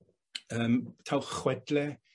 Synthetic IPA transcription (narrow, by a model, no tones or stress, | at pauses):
əːmtʰawχwɛdlɛ